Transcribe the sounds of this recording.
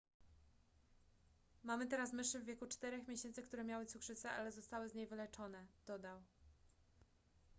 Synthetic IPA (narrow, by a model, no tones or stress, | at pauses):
mamɘt̪ɛɾasmɘʂɘvːʲjekut͡ʂt̪ɛɾɛxmʲjeɕɛnt̪sɘkt̪uɾɛmʲjawɘt̪sukʂɘt̪sɛʔa̰lɛzɔst̪awɘzɲejvɘlɛt͡ʂɔnɛd̪̥ɔd̪aw